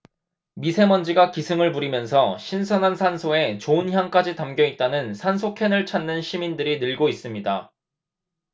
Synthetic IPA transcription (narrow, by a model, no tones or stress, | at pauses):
misʰe̞mʌnd͡ʑiɡakisʰɯŋɯɭpuɾimjʌnsʰʌɕʰinsʰʌnɦansʰansʰoe̞t͡ɕoɯnçjaŋk͈ad͡ʑitamɡjʌit̚t͈anɯnsʰansʰokʰenɯɭt͡ɕʰanːɯnɕʰimindɯɾinɯɭɡois͈ɯmɲida